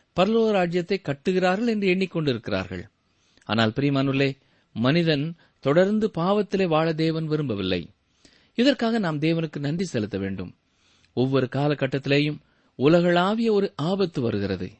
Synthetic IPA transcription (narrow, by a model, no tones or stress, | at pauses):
pɐɾɯloːɾaːd͡ʒɪjɐt̪ːɐɪkːɐʈːɯɣɪraːɾɣɐɭɛndrɯɛɳːɪkːɔɳɖɪɾɯkːɪra̰ːɾɣɐ̰ɭ | ʔa̰ːnaːlpɪɾiːmaːnɯlːeː | mɐnɪðɐn | t̪ɔɽɐɾnd̪ɯpaːʋɐt̪ːɪleːʋaːɭɐd̪eːʋɐnʋɪɾɯmbɐʋɪlːɐ̰ɪ | ɪðɐrkaːɣɐnaːmd̪eːʋɐnɯkːɯnɐndisɛlɯt̪ːɐʋḛːɳɖɯ̰m | ɔʋːɔɾɯkaːlɐkːɐʈːɐt̪ːɪleːjɯm | ʊlɐɣɐɭaːʋɪjɐɔɾɯʔaːbɐt̪ːɯʋɐ̰ɾɯɣɪrɐðɯ̰